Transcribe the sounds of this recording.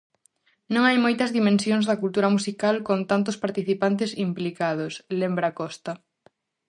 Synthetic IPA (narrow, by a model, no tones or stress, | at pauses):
nõŋajmojt̪ɐzðimẽnsjõŋzðɐkult̪uɾɐmusikalkont̪ant̪̬ʊspaɾt̪iθipant̪ɪsimplikaðoslembɾɐakɔst̪ɐ